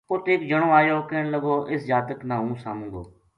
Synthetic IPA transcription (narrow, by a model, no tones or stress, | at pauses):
pʊt̪eːkd͡ʒəɳ̃õːaːjoːkeːɳləɡoːʔɪsd͡ʒaːt̪əknãːɦũːsa̰ːmũːɡo̰ː